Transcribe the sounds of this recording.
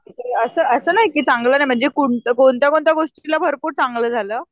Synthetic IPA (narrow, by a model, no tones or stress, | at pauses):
it̪eəsəːʔəsəːnaɦikiːt͡sãŋɡləːnajm̤əɳd͡zekoɳt̪əkoɳt̪jakoɳt̪jaɡoʂʈilabʱəɾpuːɾt͡saŋɡləːd͡zʱaləː